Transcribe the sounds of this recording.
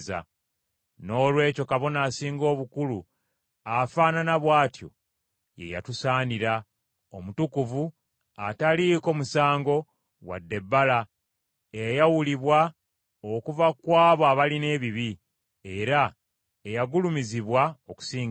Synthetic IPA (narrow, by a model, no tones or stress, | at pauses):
za̰ | no̞ːlwe̞ːco̞kaβo̞naːsiːŋɡo̞ːβukulu | afaːnanaβwaːtjo̞̰ | je̞̰ja̰tusaːniɾa | omutukuvu | ataliko̞ːmusaːŋɡo̞ | wa̰dːe̞bːala | ejajawuliβwa | okuvakwaːβoaβaline̞ːβiβi | e̞ɾa | ejaɡulumiziβwaoku̥siːŋɡ